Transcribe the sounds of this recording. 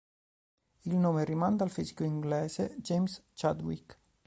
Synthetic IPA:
ilnoːmerimand̪alfisi̥koiŋɡlɛːzed͡ʒejmst͡ʃad̪wḭk

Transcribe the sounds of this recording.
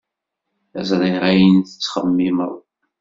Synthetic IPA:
æzɾˤiɾˤæjənθə̥t͡sːχəmːiməðˤ

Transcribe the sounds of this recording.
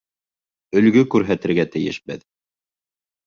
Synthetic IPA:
ɵ̆lɡɵkʉɾɦæt̪ɘ̆ɾɡæt̪ɘ̆jɘʃbɘð

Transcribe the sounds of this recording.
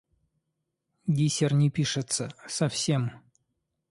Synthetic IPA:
ɡʲisʲɪrnʲɪpʲiʂɨt̪səsɐfsʲem

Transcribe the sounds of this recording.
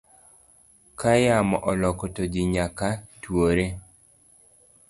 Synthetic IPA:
kajamɔʔɔlɔkɔtod͡ʒɪɲakatwoɾe

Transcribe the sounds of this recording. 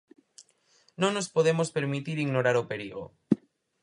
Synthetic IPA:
nõŋnospoðemospeɾmit̪iɾiɣnoɾaɾopeɾiɣo̰

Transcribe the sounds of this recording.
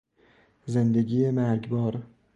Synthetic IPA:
zend̪eɡʲijemæɾɡʲbɒɾ

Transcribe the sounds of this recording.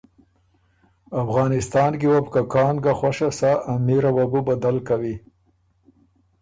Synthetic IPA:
afɣɑnɪst̪ɑːnɡiwabkakɑːnɡaxwaʃasaʔːmiɾawabubad̪alkawi

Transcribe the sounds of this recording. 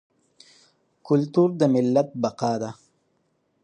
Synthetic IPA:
kʊlt̪uɾd̪əmɪlːat̪̚baqɑːd̪a

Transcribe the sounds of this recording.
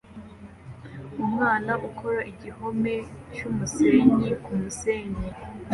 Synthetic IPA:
umŋaːnaʔukʰoɾaʔiɟihomet͡ʃumuseːɲikumuseːɲi

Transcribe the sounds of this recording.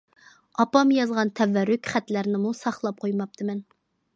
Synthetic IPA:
ɑpɑmjɑzʁɑnt̪ʰɛvːɛɾːykʲχæt̪læɾnɪmusɑχlˠɑp̚qʰojmɑp̚t̪ʰɨmɛn

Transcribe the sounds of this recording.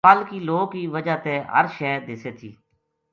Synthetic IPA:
əlkiːloːɡkiːʋəd͡ʒaːt̪eːɦə̰ɾʃɛːd̪ɪseːt̪ʰḭː

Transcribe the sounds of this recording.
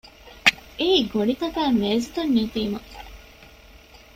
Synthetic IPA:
ʔeiːɡoɖit̪ɐkæːmeːzit̪ɐnːit̪iːmɐ

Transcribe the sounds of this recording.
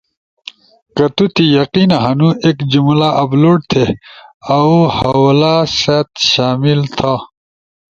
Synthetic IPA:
kɐt̪ut̪ijɐqinɐɦɐnũekd͡ʑumlaʔɐbloːʈ̚t̪ʰeɐuhɐwlaset̪ɕaːmilt̪ʰa

